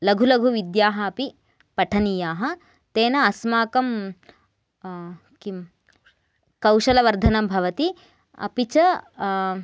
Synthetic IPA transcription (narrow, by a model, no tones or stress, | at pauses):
lɐɡʱulɐɡʱuʋid̪jaːɦɐːpi | pɐʈʰɐnijaːɦɐ̆ | t̪eːnɐːsmaːkɐm | kim | kɐwʃɐlɐʋɐɾd̪ʱɐnɐmbʱɐʋɐt̪i | ɐ̰pit͡ʃɐ